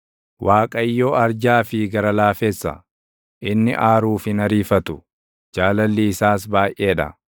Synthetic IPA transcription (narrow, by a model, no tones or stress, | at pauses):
wʔaːkʼɐjːoːɐɾd͡ʒaːfɪɡɐɾɐlaːfeːsːɐ̰ | ʔɪnːɪ̰ʔaːɾuːfɪnɐɾiːfɐt̪ʊ | d͡ʒaːlɐlːiːsaːsbaːjʔe̞ːᶑɐ̰